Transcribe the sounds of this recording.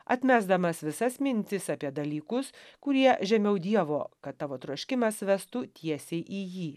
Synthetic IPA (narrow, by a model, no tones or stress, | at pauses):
ɐ̰t̪ʲmʲæːzd̪ɐmɐsʋʲɪsɐsmʲɪnʲt̪ʲɪsɑpʲiɛd̪ɐlʲiːkʊskʊɾʲiɛʒʲɛmʲɛʊd̪ʲiɛʋoːkɐt̪tːɑːʋoːt̪ɾuɔʃʲkʲɪmɐsʋʲɛst̪uːt̪ʲʰiɛsʲɛɪʔiːjiː